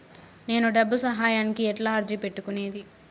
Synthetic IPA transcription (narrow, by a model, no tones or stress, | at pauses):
ne̞ːnuɖɐbːusɐɦaːjaːnikiɛʈlaːɐɾd͡ʒipe̞ʈːukune̞ːd̪i